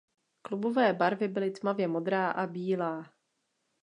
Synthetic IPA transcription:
klubovɛːbaɾvɪbɪlɪt̪mavjɛmo̞d̪ɾaːʔabiːlaː

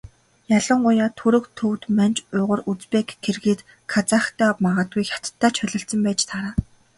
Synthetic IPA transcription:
jaɮə̆ŋɢʊjaːt̪ʰɵɾɵ̆kt̪ʰɵwt̪mant͡ɕʊːʁə̆rut͡spekɡerɣeːt̪ | kʰat͡saxt̪ʰæːɔpmaʁaːt̪̚ɡujxʲḁt̪t̪ʰːaːt͡ɕʰœɮɞ̆ɬt̪sɞ̆mpæːt͡ɕt̪ʰaɾaː

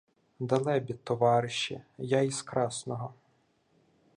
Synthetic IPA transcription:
d̪ɐlˠɛbʲit̪ːɔʋɑɾɪʃḭjaiskɾɑsnɔɦɔ

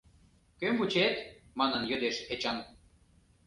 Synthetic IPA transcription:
kømbut͡ɕet̪mɑnə̆njød̪eʃet͡ɕɑm

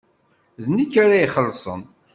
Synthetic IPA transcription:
ðnikːaɾajiχəlːsˤə̰n

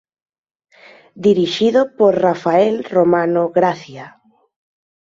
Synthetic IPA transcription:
d̪iɾiʃiðopoɾrafaɛlromanoɣɾaθja

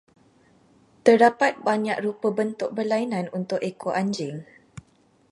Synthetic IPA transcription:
t̪ərdapat̪̚baɲa̰k̚ɾupəbənt̪ʊk̚bərlainãnunt̪ʊʔekʰoʔaɲd͡ʒɪŋ

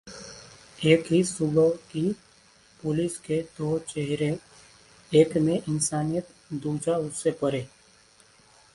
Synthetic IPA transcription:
eːkɦisʊbəki | pʊlɪsked̪oːt͡ʃeɦɾe | eːkmẽʔɪnsaːnijət̪d̪uːd͡ʒaʊsːepəɾeː

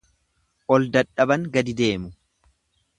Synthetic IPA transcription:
ʔɔld̪ɐᶑɐbɐŋɡɐd̪ɪd̪e̞ːmʊ

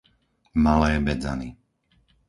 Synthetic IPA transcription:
malɛːbɛd͡za̰ni

